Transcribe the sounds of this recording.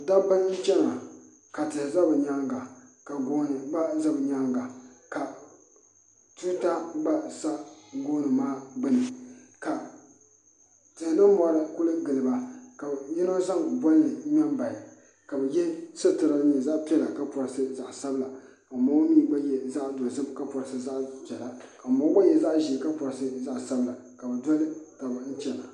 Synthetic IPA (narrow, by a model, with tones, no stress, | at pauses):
da˦pa˦ɲi˦t͡ʃɛ˦ŋa˨ | ka˨tɨ˨za˦bɨ˨ɲa˦ŋ˦ɡa˨ka˨ɡo˦n˨ɡ͡ba˦za˦bɨ˨ɲa˦ŋɡa˨ka˨ | tu˦ta˦ɡ͡ba˦sa˦ʔɡoː˦nɨ˨maː˦bɨ˦nɨ˨ka˨ | tɨ˨hnɨ˦mɔ˨˦ɾɨ˦kʊ˦lɨ˦ɡɨ˨lɨ˨ba˨ka˨jɛ˦no˦za˦ŋbɔ˦lɨ˨˦ɲɛ˦mba˨j | ka˨bɛ˨jɛ˦sɨ˦tɨ˨ɾa˦ɲɛ˨za˦ʔpi˦ɛ˦˨la˨ka˦pɔ˨ɾsɨ˦za˨ʔsa˦bɨ˦la˨ | ka˨mo˦wniː˦ba˦jɛ˨za˦ʔdɔ˨zɨ˦mka˦pɔ˨ɾsɨ˦za˦ʔd͡ʒɛ˨la˨ka˨mɔ˦ba˦jɛ˦za˦ʔʒi˨ka˦pɔ˨ɾɨ˨˦sɨ˦za˦ʔsa˦bla˨ | ka˨bɨ˨dɔ˦lɨ˦ta˨ba˨n̩˦t͡ʃɛ˨la˨